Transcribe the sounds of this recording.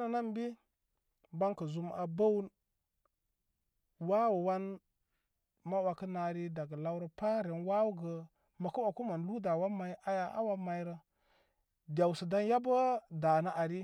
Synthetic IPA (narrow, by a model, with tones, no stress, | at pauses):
na˨na˦m˦bi˦ | ba˦ŋkə˨zu˦ma̰˨ba˦wu˦n | wa˦wu˨wa˦n | ma˦wa˨kə˦na˨ɾi˦da˨ɡə˨la˦wɾə˦pa˦ɾe˨nwa˦wu˦ɡə˨ | ma˨kə˦wa˨ku˦ma˨n˨lu˦da˨wa˦ma˨i˦ʔa˦ja˦ʔa̰˦wa˦ma˨i˦ɾə˦ | dʲa˨wsə˨da˦nja˦bə˦da˨na˦ʔa˨ɾi˦